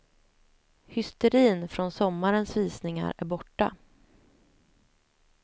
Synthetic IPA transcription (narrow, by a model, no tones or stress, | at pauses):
hʏst̪ɛɾiːnfɾɔnsɔmːaɾənsviːsnɪŋa̰ɾæ̰ɾbɔʈːa̰